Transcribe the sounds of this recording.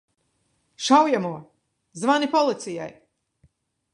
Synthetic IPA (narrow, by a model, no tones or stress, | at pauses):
ʃawjamuɔ | zvanipɔlˠit̪sija̰j